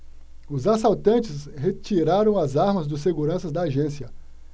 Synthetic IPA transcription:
ʊzas̬awt̪ɐ̃nt͡ʃɪshet͡ʃiɾaɾɐ̃w̃ɐzaɾmɐzd̪ʊs̬seɡuɾɐ̃sɐzd̪ɐːʒẽsiɐ

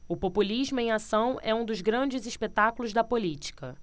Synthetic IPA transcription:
ʊpopuliʒmʊẽj̃asɐ̃w̃ɛũd̪ʊzɡɾɐ̃d͡ʒɪziʃpet̪akulʊzd̪ɐpolit͡ʃi̥kɐ

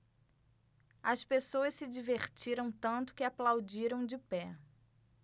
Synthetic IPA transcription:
ɐspesoɐssɪd͡ʒiveχt͡ʃiɾɐ̃w̃t̪ɐ̃nt̪ʊ̥kɪaplawd͡ʒiɾɐ̃w̃d͡ʒɪpɛ

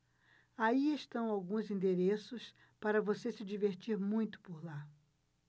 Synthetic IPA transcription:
aieʃt̪ɐ̃w̃awɡũzĩnd̪eɾesʊs | paɾɐvosesɪd͡ʒiveɾt͡ʃiɾmũj̃t̪ʊ̥poɾla

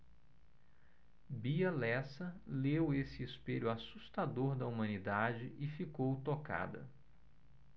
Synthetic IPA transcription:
biɐlɛsɐlewesɪːspeʎʊasust̪ad̪oɾd̪ɐumɐ̃nid̪ad͡ʒɪʔɪfikowt̪oka̰d̪ɐ̰

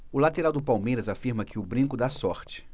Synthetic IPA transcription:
ʊlat̪eɾawd̪ʊpawmejɾɐzafiɾmɐkɪʊbɾĩŋkʊd̪asɔɾt͡ʃɪ̥

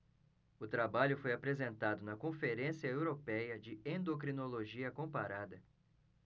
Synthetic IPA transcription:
ʊt̪ɾabaʎʊfojapɾezẽnt̪ad̪ʊnɐkõfeɾẽsiɐewɾopɛjɐd͡ʒɪẽnd̪okɾinoloʒiɐkõpaɾad̪ɐ

